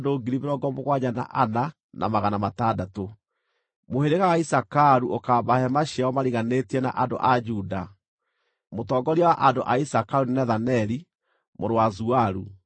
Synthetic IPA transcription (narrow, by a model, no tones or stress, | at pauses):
doɡiɾimeɾɔɡɔmoɣwaɲana̰ʔana | nʔa̰maɣanamatadato | moheɾeɣawaisakaɾuʔokabahɛmaɕiaɔmaɾiɣanetiɛna̰ʔando̰ʔad͡ʒuda | motɔːɡɔɾiawaʔandoʔaisakaɾunnɛðanɛɾi | moɾowazuaɾu